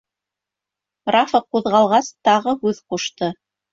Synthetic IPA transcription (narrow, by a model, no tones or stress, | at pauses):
rafɤquðʁɑlˠʁɑst̪ɑʁɤhʉðquʃt̪ɤ